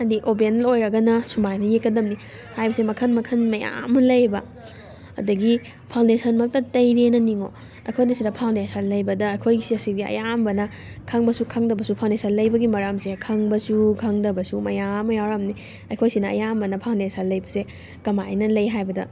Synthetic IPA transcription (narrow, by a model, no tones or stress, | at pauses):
ɐdiʔobenlojɾɐɡɐnɐsumajnɐjekːɐdɐmni | hajbɐsemɐkʰɐnmɐkʰɐnmɐja̰mɐlɐjbɐː | dɐɡi | pʰawndesɐnmɐk̚tɐtɐjɾenɐniŋo | ɐ̰jkʰojnɐsidɐpʰawndesɐnlɐjbɐdɐːjkʰojsiɐsibiɐ̰jambɐnɐ | kʰɐŋbɐsukʰɐŋdɐbɐsupʰawndesɐnlɐjbɐɡimɐɾɐmsekʰɐŋbɐsukʰɐŋdɐbɐsumɐjamːɐjawɾɐmni | ɐjkʰojsinɐ̰ːjambɐnɐpʰawndesɐnlɐjbɐse | kɐmajnɐlɐjɦajbɐdɐ̰